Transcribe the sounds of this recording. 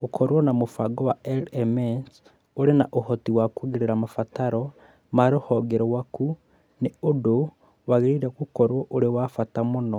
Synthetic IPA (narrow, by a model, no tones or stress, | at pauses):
okʰoɾwonamufaɡowaelemens | oɾenaʔohotiwakuɣiɾiɾamafataɾo | maɾihoɡeɾowaku | neodo | waɣiɾiɾekukoɾwoʔoɾewafatamuno